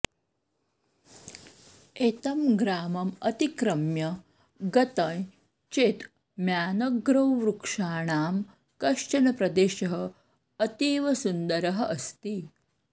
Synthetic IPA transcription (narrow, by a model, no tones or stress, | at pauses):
eːt̪ɐmɡɾaːmɐmɐt̪ikɾɐmjɐ | ɡɐt̪ɐ̃j | t͡ʃeːt̪ | mjaːnɐɡɾɐwɾukʂaːɳaːm | kɐʂt͡ʃɐnɐpɾɐd̪eːʃɐɦɐ | ɐt̪iːʋɐsund̪ɐɾɐɦɐʔɐst̪i